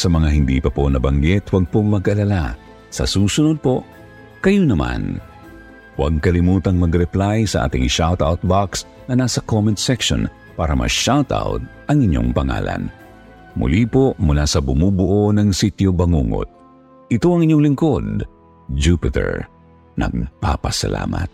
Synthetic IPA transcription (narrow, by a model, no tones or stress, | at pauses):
sɐmɐŋaɦɪnd̪ḭpɐponɐbɐŋɡɛt̪ʰwɐɡ̚pomɐɡʔɐlala | sɐ̰suːsʊnod̪̚po̞ | kɐjonɐma̰n | wɐ̰ɡ̚kɐlɪmuːt̪ɐŋmɐɡɾɛplajsɐʔa̰ːt̪ɪŋʃawt̪a̰wt̪̚baks | nɐnasɐkomɛnt̪sɛkʃo̰n | paːɾɐmɐ̰ʃawt̪a̰wt̪̚ʔɐŋɪɲːo̞̰ŋpɐŋa̰ːla̰n | mʊ̰liːpomʊlasɐbʊmubʊʔonɐŋsit̪jobɐŋuːŋo̰t̪̚ | ʔɪt̪o̞ɐŋɪɲːoŋlɪŋko̞d̪̚ | d͡ʒupɪt̪ɛ̰ɹ | nɐ̰ɡ̚pa̰pɐsɐ̰lʔa̰ːmɐ̰t̪̚